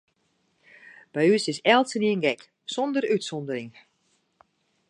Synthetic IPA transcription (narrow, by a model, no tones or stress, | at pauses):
b̥ɛjysɪsɛlˠtsəniənɡɛk | sɔndərytsɔndəɾɪŋ